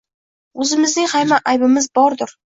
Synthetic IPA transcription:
ɵzɪmɪznɪŋhajmaʔajbɪmɪzbɒɾd̪ʊɾ

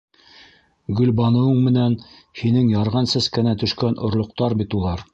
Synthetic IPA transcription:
ɡɵ̆lbɑnɤ̆wɤɴmɘ̆næn | hinɘŋjɑɾʁɑnsæskænæt̪ɵ̆ʃkænʔŏɾlˠŏq̚t̪ɑɾbit̪ulˠɑɾ

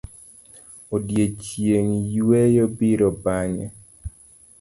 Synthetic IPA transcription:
odjet͡ʃjeŋjwejobiɾɔbaɲɛ

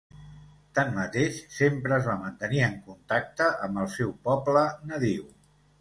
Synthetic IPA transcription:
t̪anːət̪eʃsempɾəːzβamənt̪əniəŋkunt̪ak̚t̪əʔəmbəlˠsɛwpɔblənəðiw

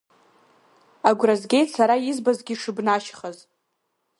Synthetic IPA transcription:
aɡʷrazɡʲejtsaɾajizbazɡʲiʂɨbnaʃχaz

